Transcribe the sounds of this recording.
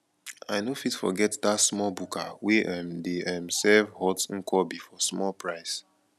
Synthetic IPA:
aɪnofitfɔ̰ɡɛtdatsmɔlbukʰawɛʔɛmdeɛmsɛvhɔtŋ̩kʰɔbifɔsmɔlpɹaɪs

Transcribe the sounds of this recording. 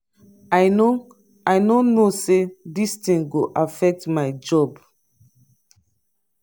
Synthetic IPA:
ajno | ajnonosedistĩŋɡoʔafɛk̚tmajd͡ʒɔb

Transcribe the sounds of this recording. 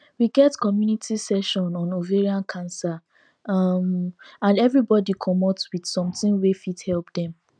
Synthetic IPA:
wiɡɛtkɔmjunitʰisɛʃɔ̃nɔ̃noveɹiãnkʰãnsa | mãnɛvɹibɔdikʰɔmɔtwid̥sɔ̃mtĩŋwefithɛlp̚dɛ̃m

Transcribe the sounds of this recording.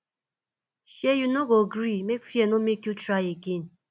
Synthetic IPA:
hjɛjunoɡoɡɾimekfiɛnomekjutɹajeɡẽn

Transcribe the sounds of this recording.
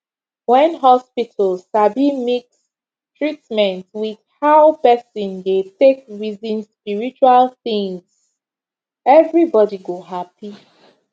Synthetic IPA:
wɛ̃nɦɔspitʰal̩zabimiks | tɹitmɛ̃ntwið̥haʊpɛsĩndetekɹizĩnspiɹit͡ʃualθĩŋz̥ | ɛvɹibɔdiɡoɦapi

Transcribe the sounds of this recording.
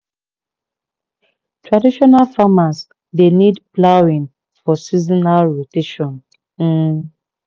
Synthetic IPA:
tɹadiʃɔnalfamas | denidplawĩŋ | fɔsizinalɹoteʃɔ̃n̩

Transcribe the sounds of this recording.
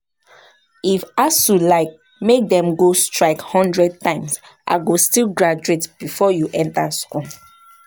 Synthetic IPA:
ifasulaɪk̚ | mek̚dɛ̃mɡostɹaɪkhɔ̃ndɹɛd̚tãɪ̃ms | ʔa̰ɡostilɡɹad͡ʒuetb̥ifɔjuʔɛ̃ntaskɔ̃n

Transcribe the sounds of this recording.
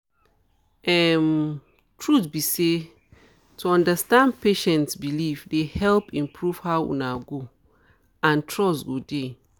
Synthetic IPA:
ʔɛm | tʰɹutbise | tʰuɔ̃ndəstãnpeʃɛ̃ntsbilifdehɛlpĩmpʰɹuv̥hawwṵ̃naɡo | ãntʰɹɔsɡode

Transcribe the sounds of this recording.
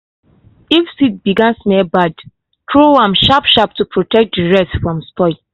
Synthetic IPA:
ifsit̚biɡãnsmɛbad | kʰɹowãmʃapʃap̚tupʰɹotɛk̚t̚diɹɛstfɹɔ̃mspɔɪ

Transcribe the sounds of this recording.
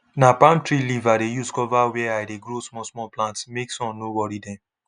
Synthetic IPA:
napãmtɹilivadejuskɔvawɛajdeɡɾosmɔsmɔplãntsmeksɔ̃nnowɔɾidɛ̃m

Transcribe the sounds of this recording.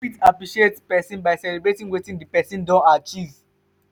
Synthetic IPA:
fitapɹiʃietpɛsɔ̃nbajsɛlibɹetĩŋwetĩndipɛsĩndɔ̃nat͡ʃiz

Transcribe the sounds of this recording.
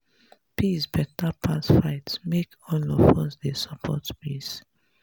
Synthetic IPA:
pʰisbɛtapʰasfaɪtsmek | ɔ̃nlɔfɔsdesɔpʰɔ̰tpis

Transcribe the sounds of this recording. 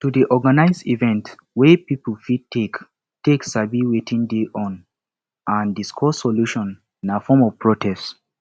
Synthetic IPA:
tudiʔɔɡanaɪzdivɛ̃nt | wɛpipəlfid̚tʰek | teksabiwetʰĩŋdeʔɔ̃n | ʔãndiskʰɔssɔluʃɔ̃n | ĩnafɔmɔv̥pʰɹɔtʰɛst

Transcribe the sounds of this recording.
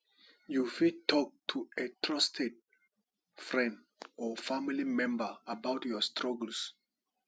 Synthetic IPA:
jufitɔk̚tʰuetɹɔstʰed̚ | fɹɛ̃nd | ɔfamilimɛ̃mbəabaʊtjɔstʰɹɔɡəls

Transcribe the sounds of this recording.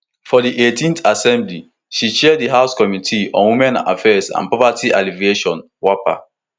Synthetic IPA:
fɔdiʔetĩnθasɛ̃mbli | ʃit͡ʃɛdiɦaʊskɔmitʰiɔ̰̃nwimɛ̃na̰fɛsã̰npɹɔvatʰiʔaliveʃɔ̃n | wɔpa̰

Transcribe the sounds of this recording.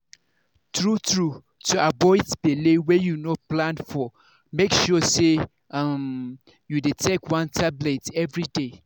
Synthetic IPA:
tɹutɹu | tʰuabɔɪdb̥elewɛjunoplãnfɔ | mekʃɔse | am | judetʰekwãntʰabletɛvɹide

